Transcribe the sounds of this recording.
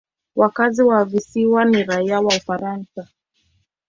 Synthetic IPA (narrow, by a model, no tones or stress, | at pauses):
wakaziwavisiwaniɾaiawaufaɾansa